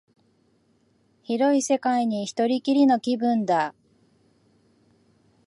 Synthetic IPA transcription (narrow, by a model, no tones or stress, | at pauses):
çiɾo̞ise̞kaiɲ̟içi̥t̪o̞ɾʲikʲiɾʲino̞kʲibɯ̃nd̪a